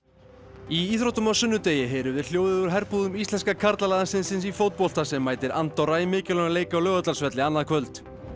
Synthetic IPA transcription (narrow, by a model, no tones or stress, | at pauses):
iiθɾowht̪ʏmawsʏnːʏt̪eːjɪɦeːɾɪvðɪɾ̥l̥joːwðɪʏɾ̥ɦɛɾpuðʏmist̪lɛnskakʰaɾt̪lalaːðansɪnsɪnsifoːwt̪̚powl̥t̪asɛmːaːjt̪ɪɾant̪ɔɾaimɪːcɪlœɣaleːjkaɔwlœːɣat̪alsvɛt̪lɪanːaðkʰvœlt̪